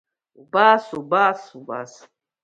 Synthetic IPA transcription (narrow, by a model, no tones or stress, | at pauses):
ubaːsubasuba̰s